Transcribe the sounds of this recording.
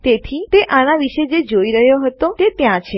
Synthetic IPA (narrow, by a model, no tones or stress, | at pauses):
t̪et̪ʰit̪eʔanaʋiʃed͡ʒed͡ʒoiɾəɦjoɦət̪ot̪et̪jãt͡ʃʰe